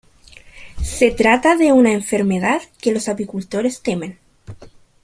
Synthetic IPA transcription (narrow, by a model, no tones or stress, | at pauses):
se̞t̪ɾat̪aðe̞unaeɱfe̞ɾme̞ðaðke̞lo̞sapikult̪o̞ɾe̞st̪e̞mẽ̞n